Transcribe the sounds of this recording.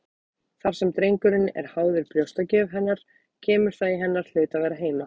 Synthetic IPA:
θaɾ̥sɛmt̪ɾejŋkʏɾɪnɛ̰ɾ̥haːwðʏɾpljowst̪acɛːvɦɛnːaɾ̥ | cʰɛːmʏɾ̥θaðiɦɛnːaɾ̥l̥ʏːt̪avɛːɾaɦeːjma

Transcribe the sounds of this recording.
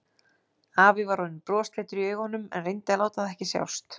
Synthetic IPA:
aːvɪvaɾhɔnːʏpɾɔːst̪leːt̪ʏɾiœːɥɣhɔnːʏmɛ̰nrejnt̪alaːwt̪aðɛhcɪsja̰wst̪

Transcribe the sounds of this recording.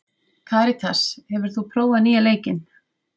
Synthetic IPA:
kʰaːɾɪt̪ʰashɛvʏɾ̥θupʰɾoːwvaniːaleːjcɪn

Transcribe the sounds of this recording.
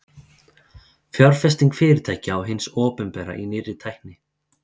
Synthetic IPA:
fjɔɾ̥fɛst̪iŋkfɪːɾɪt̪ʰaːjhcɪawɦɪnsɔːpʏnpɛːɾa̰ʔinɪrɪt̪ʰajhknɪ

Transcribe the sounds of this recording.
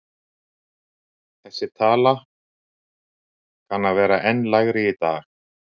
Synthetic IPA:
θɛsːɪt̪ʰaːla | kʰanːavɛːɾaʔɛnːlaɣɾɪit̪a̰ːx

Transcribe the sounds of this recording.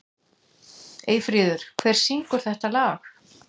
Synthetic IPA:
eːjfɾiːðʏɾ̥kʰv̥ɛr̥siŋkʏɾ̥θɛht̪alaːx

